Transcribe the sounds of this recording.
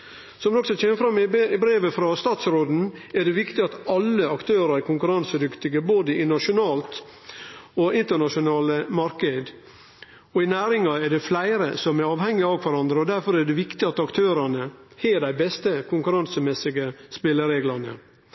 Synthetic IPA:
sɔmd̪ɔksɔc͡çɛməfɾɑmːbɾeːʋəfɾɑst̪ɑːt̪sɾoːd̪n̩æɖɛʋɪkt̪ɪɑt̪ɑlːəɑkt̪ʰøːɾəɾɛkʰʊŋkʉɾɑnsəd̪ʏkt̪ɪɡəboːd̪əɪnɑʂʊnɑːlt̪ | ɔʔɪnt̪əɳɑʂʊnɑːləmɑɾkəd̪ | ɔɪnæːɾɪŋɑɛɖɛflæɪɾəsɔmɛɾɑːʋhɛŋːɪɑkʰʋæɾɑnd̪ɾəɔd̪æɾfɔɾɛɖɛʋɪkt̪ɪɑt̪ɑkt̪ʰøːɾɑnəhɛːɖæɪbɛst̪əkʰʊŋkʉɾɑnsəmɛsɪɡəspɪlːəɾeːɡlɑnə̰

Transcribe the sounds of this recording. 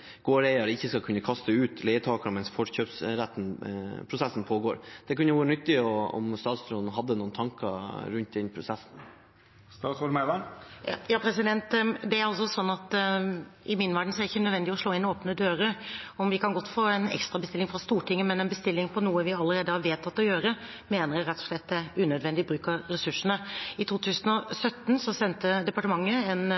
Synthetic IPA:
ɡ̥oːɾæɪɑɾɪçːəskɑkʰʉnːəkʰɑst̪əʉːt̪lɛɪət̪ʰɑːkəmɛnsfɔʂçøːpsɾæt̪ːn̩pʰɾʊsɛsːn̩pʰoːɡoːɾd̪̥ɛkʉnəʋoːɾənʏt̪ːɪɔɔ̰mst̪ɑːt̪sɾɔnn̩ɦɑd̪ːənuːnt̪ʰɑŋkəɾʉnt̪̚d̪ɛnpʰɾʊsɛsn̩ | st̪ɑːt̪sɔɾmɛlɑjɑːpʰɾɛsɪd̪ɛnt̪d̪ɛæɾɑlsɔsɔnːɑt̪ | ɪmɪnːʋæɖɳ̩sɔæɾɪçːənœd̪ʋɛnd̪ɪɔʂɭoːɪnoːpnəd̪øːɾəɔmʋɪkʰɑnɡɔt̪ːfoːɛnɛ̰kst̪ɾɑbəst̪ɪlːɪŋfɾɑst̪uːʈɪŋːəmɛnɛnbəst̪ɪlːɪŋpʰɔnuːəʋɪɑlːəɾeːd̪əhɑɾʋeːt̪ʰːɑt̪ːɔjøːɾə | meːnəɾjæɪɾɛt̪ːɔ̥ʂɭɛt̪̚ːd̪æʉːnœd̪ʋɛnd̪ɪbɾʉːkəɾɛsʉʂːəɳəɪt̪ʰuːt̪ʰʉːsənɔsœt̪ːn̩sɔsɛnt̪əd̪ɛpɑʈəmɑŋːəɛn

